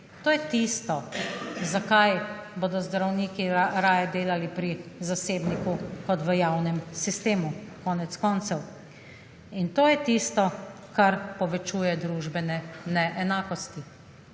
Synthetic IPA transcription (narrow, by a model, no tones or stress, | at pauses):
t̪oːjɛt̪ist̪ɔzakajboːd̪ɔzd̪ɾawniːkiɾaːjɛd̪eːlalipɾizaseːbnikukɔt̪ʋəjawnɛmsist̪eːmukɔːnɛt̪skɔːnt̪sɛw | int̪oːjɛt̪ist̪ɔ | kaɾpɔʋɛt͡ʃuːjɛd̪ɾuʒbɛnɛnɛʔɛnaːkɔst̪i